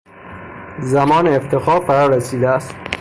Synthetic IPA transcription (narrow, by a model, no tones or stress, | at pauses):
zæmɒːneːft̪ʰexɒːfæɾɒɾæsiːd̪æːst̪